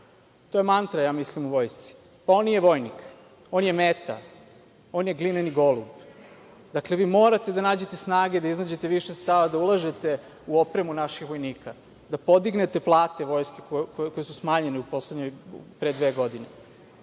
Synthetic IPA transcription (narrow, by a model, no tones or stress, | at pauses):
t̪o̞jemant̪ɾajaːmislimuʋo̞ːjst̪si̥ | pao̞nːije̞ʋo̞jnik | o̞ːnjemet̪a̰ | o̞ːnje̞ɡlineniɡo̞lˠṵb | d̪akle̞ʋiːmo̞ːɾat̪ed̪anaːd͡ʑe̞t̪esnaːɡe̞d̪aiznad͡ʑe̞t̪eʋiʃest̪aʋad̪aulˠaʒet̪e̞ | uo̞pɾemunaʃixʋo̞jniːkʰa | d̪apo̞d̪iɡne̞t̪e̞plˠaːt̪e̞ʋo̞ːjskekokokojesusmaːɲe̞neupo̞sled̪ɲojpɾed̪ʋe̞ːɡo̞d̪ine